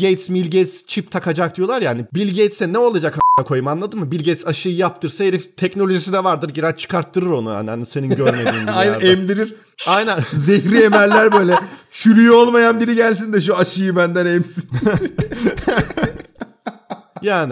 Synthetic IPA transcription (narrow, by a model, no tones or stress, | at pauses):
ejt̪smilʲɟejt̪st͡ʃʰip̚t̪ʰakʰad͡ʒak̚d̪ijo̞lˠaɾjaːnibilʲɟejt̪sɛnɛo̞lˠad͡ʒakanakʰo̞jɯmanlˠad̪ɯnmːɯbilʲɟejt̪saʃɯjɯjap̚t̪ʰɯɾsajeɾift̪ʰɛcnolʲo̞ʒis̬id̪ɛvaɾd̪ɯɾɟiɾat͡ʃʰɯ̥kʰaɾt̪ːɯɾɯɾo̞nuja̰nhanise̞ninɟøɾmelinajnaɛmd̪iɾiɾ̥ | ajnænzeçɾiemæɾlʲæɾbø̞jlʲɛt͡ʃʰyɾyjo̞lˠmajanbiɾiɟælʲsind̪ɛʃ̬uaʃɯjɯbænd̪ænɛmsin | jaːni